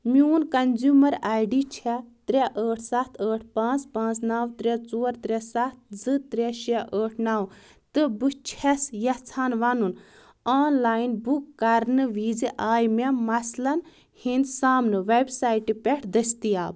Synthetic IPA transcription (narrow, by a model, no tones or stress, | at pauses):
miuːnkɐnzuːmɐɾaːjɖit͡ʃʰɛt̪ɾʲeʔəːʈʰsɐt̪ʰəːʈʰpãːt͡spãːt͡snaːwt̪ɾʲet͡soːɾt̪ɾʲɛsat̪̚ʰd͡zɨt̪ɾʲɛʃɛʔəːʈʰnaːw | t̪ɨbɨt͡ʃʰɛsjɐt͡sʰaːnʋaːnun | aːnlaːjnbukːɐɾnɨʋiːd͡ziʔaːjmemɐslɐn | hind̪saːmnɨʋebsaːjʈipʲɛʈʰd̪ɐst̪iaːb